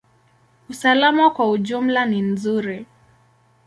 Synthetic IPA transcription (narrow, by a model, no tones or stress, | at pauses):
usalamakwauʄum̩lanim̩zuɾi